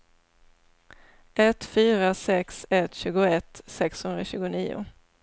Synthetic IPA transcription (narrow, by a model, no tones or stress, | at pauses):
ʔɛt̪ːfyːɾasɛksɛt̪ːɕʉ̟ːɡʊɛt̪ːsɛkshɵnɾaɕʉ̟ːɡʊniːʊ̰